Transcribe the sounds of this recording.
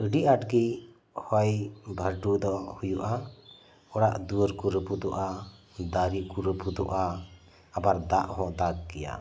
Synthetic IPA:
əɖiʔaʈɡi | hɔjbʱəɾɖud̪ɔhujuʔa | ɔɽaʔd̪uəɾkuɾəpud̪ɔʔa | d̪aɾikuɾəpud̪ɔʔaː | baɾd̪aʔhɔ̃ʔd̪aɡ̚kɛja̰

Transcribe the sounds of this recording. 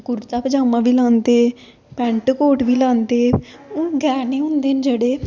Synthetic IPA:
kʊɾt̪aːpəd͡ʒaːmãːʋiːlãːnd̪eː | pɛ̃ːɳʈkoːʈʋiːlãːnd̪eː | ʊɡɛːɾneːɦʊ̃nd̪eːnd͡ʒəɽeː

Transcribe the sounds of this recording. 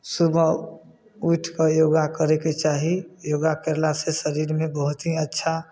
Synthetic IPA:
subʱə | uʈʰkajoɡakəɾeket͡ʃaɦijoːɡakeɾlasesəɾiɾmẽbəɦʊt̪ɦiətːʃʰa

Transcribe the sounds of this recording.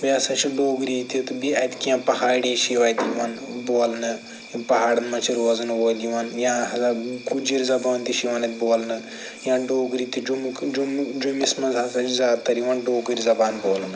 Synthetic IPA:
biɐsɐ̃t͡ʃʰiɖoːɡɾiːt̪it̪ubiɐjt̪ʲkiãːpɐhaːɽiʃiʋaːjt̪ʲjiʋanboːlnɨ | pɐɦaːɽɐnmɐt͡ʃʰiɾoːznɨʋoːljiʋanjãːɐzakud͡ʒiɾʲizɐbaːnt̪iʃiʋanɐt̪̚ʲboːlnɨ | jãːɖoːɡɾiːt̪id͡ʒumd͡ʒumd͡ʒumismɐzaːsɐt͡ʃizʲaːd̪t̪ɐɾiʋaːnɖoːɡɨɾʲizɐbaːnboːlnɨ

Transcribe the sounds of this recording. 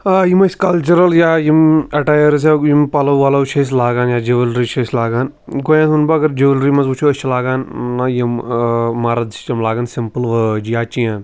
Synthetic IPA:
ajimɐskɐlt͡ʃɐɾɐljaːjimɐʈaːjɐɾs̬jajimpɐlɐwʋaːlaut͡ʃʰɐs̬laːɡaːnjaːd͡ʒiʋɐlɾit͡ʃʰɐslaːɡaːn | ɡojãːt̪unbɐɐɡɐɾd͡ʒiʋlɾimɐzbut͡ʃʰuɐt͡ʃʰɐlaːɡaːnːɐjimmaːɾɐd̪t͡ʃɐmlaːɡansimpəlʋɐd͡ʒjaːt͡ʃijaːn

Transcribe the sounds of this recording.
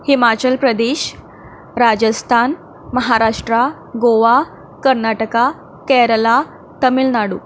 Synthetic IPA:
himat͡ɕəlpɾəd̪eɕ | ɾad͡ʑəst̪ʰan | məɦaɾaʂʈɾa | ɡoʋa | kəɾnaʈəka | kɛɾəla | t̪əmilnaɽṵː

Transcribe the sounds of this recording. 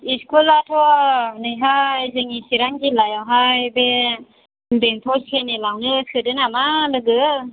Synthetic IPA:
iskʰulatʰɔnɯjɦajzeŋisiɾaŋɡilajawɦajbe | beŋt̪ʰɔsʰenelawnɯkʰɯdɯnamalɯɡɯ

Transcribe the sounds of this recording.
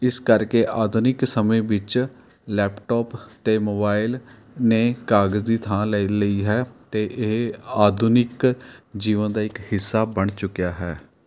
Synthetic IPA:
ɪskəɾkeːʔaːd̪ʱʊnɪksəmẽːʋɪt͡ʃ | lɛːpʈɔːpt̪eːmoːbaːɪl | neːkaːɡəzd̪iːt̪ʰãːlələiːɦɛːt̪eːʔɪɦaːd̪ʱʊnɪkd͡ʒiːʋənd̪aːɪkhɪsːaːbəɳt͡ʃʊkijaːɦɛː

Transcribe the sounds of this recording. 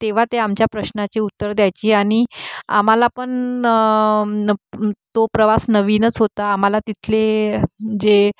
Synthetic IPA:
t̪eʋ̤at̪eamt͡ɕjapɾəɕnat͡ɕeut̪ːəɾd̪jajt͡ɕiːaɽ̃ia̰m̤alapəɳ | t̪opɾəʋasnəʋiːnət͡sɦot̪aːm̤alat̪it̪ʰle | d͡ze

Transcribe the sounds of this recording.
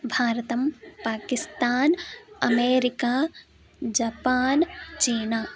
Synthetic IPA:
bʱaːɾt̪ɐmpaːkɪst̪aːnɐmeːɾɪkaː | d͡ʒaːpaːnt͡ʃiːnaː

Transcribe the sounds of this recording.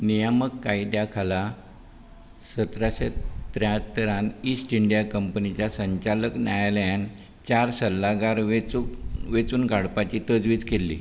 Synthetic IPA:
nijəməkːajd̪jakʰala | sət̪ɾaɕet̪ɾjãt̪əɾanisʈiɳɖijakəmpənit͡ɕjasəɲt͡ɕaləknjajljan | t͡ɕaɾsəlːaɡaɾ | ʋet͡suːnɡʱaɽpat͡ɕit̪əd͡zʋiːt͡skelːḭ

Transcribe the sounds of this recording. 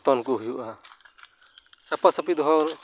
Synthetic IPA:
t̪ɔnkuɦujuʔa | sapasapid̪ɔɦɔɾ

